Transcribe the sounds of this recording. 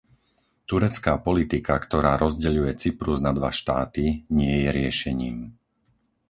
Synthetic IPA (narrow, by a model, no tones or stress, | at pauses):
t̪uɾɛt͡skaːpɔlit̪ikakt̪ɔɾaːɾɔzɟɛʎujɛt͡sipɾuznad̪ʋa̰ʃt̪a̰ːt̪iɲɪɛjɛɾɪɛʃɛɲiːm